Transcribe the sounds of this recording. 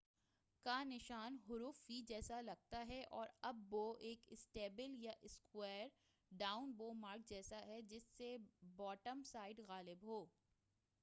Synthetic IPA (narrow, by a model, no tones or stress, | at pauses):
kanɪʃaːnɦʊɾuːfːid͡ʒɛːsalɐɡ̚t̪aɦɛʔɔːɾɐbːoʔeːkɪsʈeːbɪljaʔɪskwɛːɾ | ɖaːʊnboːmaːɾk̚d͡ʒɛːsaɦɛd͡ʒɪsːebɔːʈəmsaːɪɖɣaːlɪbɦoː